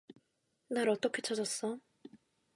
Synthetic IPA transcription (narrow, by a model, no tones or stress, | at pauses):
naɾʌt͈ʌkʰe̞t͡ɕʰʌd͡ʑʌs͈ʌ